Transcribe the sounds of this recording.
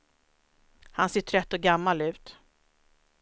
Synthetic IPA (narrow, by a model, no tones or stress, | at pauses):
hanseːʈʰɾɛt̪ːɔɡamːalʉ̟ːt̪